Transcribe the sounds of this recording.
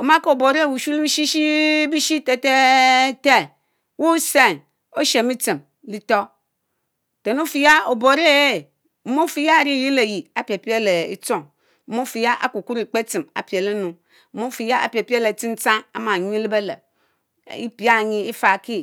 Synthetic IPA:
o˨ma˦ko˨bo˨ɾe˦˨wu˨ʃu˦li˦ʃi˦ʃi˦bi˦ʃi˦te˨te˦te˦ | wu˦se˦˨n | o˦ʃe˨mi˦t͡si˨m | li˦to˦ | te˨no˦fi˨ja˦o˨bo˨˦ɾe˦˨ | m̩˦mo˦fi˦ja˦˨ɾi˦˨ji˦le˨ji˨a˨pi˨e˨pi˦e˦le˨ḭ˦t͡so˦˨ŋ̩˦ | mo˦fi˨ja˦ʔa̰˨ku˨ku˦ɾi˨k͡pe˦t͡si˨ma̰˨pi˨e˨le˦nu˨˦ | mo˦fi˨ja˦a̰˨pi˨e˨pi˦e˦le˨t͡si˦n˦t͡sa˦ŋa˨˦ma˨ɲ˦li˦be˦le˨ | ḭ˦pi˦a˦˨ɲi˦i˦fa˨ki˦

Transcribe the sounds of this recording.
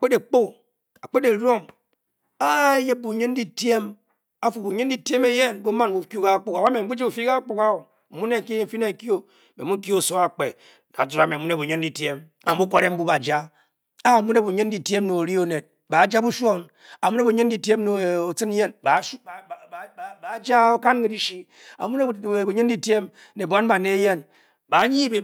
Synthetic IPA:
a˨k͡pe˦de˨k͡po˦ | a˨k͡pe˦de˨ɾo˦ŋ | a˦je˦p̚bu˨ɲe˦n˦di˦tje˦m | a˦fu˨bu˨ɲe˦n˦di˦te˦me˦je˦˨nbo˦ma˦n˨u˨ku˦ka˦k͡pu˨ka˨wa˦me˨m̩˦ɡ͡bu˦d͡ʒi˦u˨fi˦ka˦k͡pu˨ka˦wo˨ | mu˦ne˦˨ki˦˨fi˦ne˦˨ki˦o˦ | me˨mu˦ki˦o˦˨so˦a˨k͡pe˨ | na̰˨tu˨ɾa˨me˨mu˦ne˦˨bu˨ɲe˦ndi˦˨tje˦m | a˨m˦u˦ko˦ɾe˦m̩˦bu˦ba˨d͡ʒa˦ | a˦a˨mu˦ne˦bu˨ɲɨ˦n˦di˦tje˦m˦no˨ɾi˦o˦ne˨t̚ | ba˨˦d͡ʒa˦bu˦ʃo˦n | a˨mu˦ne˦bu˨ɲɨ˦n˦di˨ti˦e˦mno˨o˨t͡sɨ˦n˦je˦nba˨˦˨ba˨˦d͡ʒa˦o˦ka˦nke˨di˦ʃi˦ | a̰˨mu˦ne˦˨bu˨ɲɨ˦n˦di˦te˦m | ne˨ba˦nba˨ne˦je˦n | ba˨˦ɲi˦be˨

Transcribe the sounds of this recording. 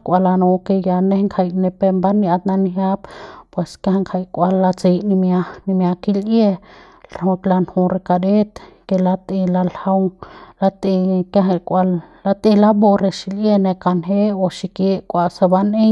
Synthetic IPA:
kʷa˧la˧no˧ke˧ja˧ne˦ŋkʰa˧jne˧pe˧mba˦nja˧t̪̚na˧nɦja˦ppwe˨ska˦hŋkʰa˧jkʷa˧lːa˧t͡se˧jni˧mja˧ni˧mja˧ki˧lje˧ | lho˧t̪la˧nhu˧ɾe˧ka˧ɾe˦t̪ke˧la˧t̪e˧la˧lha˧wla˧t̪e˧ka˦ɦa˧kʷʼa˧lː | a˧t̪e˧la˦bo˧ɾe˧ʃi˧lje˧ne˧ka˧nɦe˦o˧ʃi˧ke˧kʷa˧sa˧ba˧ne˦

